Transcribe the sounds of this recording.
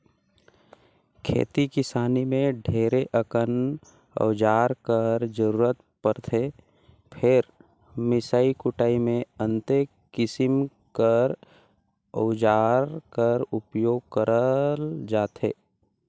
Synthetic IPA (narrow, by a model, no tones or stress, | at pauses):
kʰḛːt̪ikɪsaːnimẽɖʱeːɾeʔəkən | ə̰ʋd͡ʒaːɾkəɾd͡ʒəɾuːɾət̪ | pəɾt̪ʰe | pʰɪɾ | mɪsaːikʊʈaːimẽə̃nt̪e | kɪsɪm | kəɾ | ə̰ʊd͡ʒaːɾkəɾʊpjoːɡ̚kəɾəld͡ʒaːt̪ʰḛː